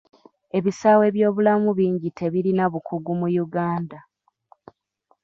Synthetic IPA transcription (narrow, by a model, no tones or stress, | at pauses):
e̞βisaːwe̞βjo̞ːβulamuβiːɲɟitʰe̞βiɾinaβukʰuɡumujuɡaːnda